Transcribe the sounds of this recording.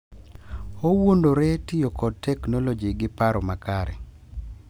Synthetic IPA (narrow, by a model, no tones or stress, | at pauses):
owondoɾɛtɪjokɔd̚tːɛknolod͡ʒiɡɪpaɾɔmakaɾɛ̰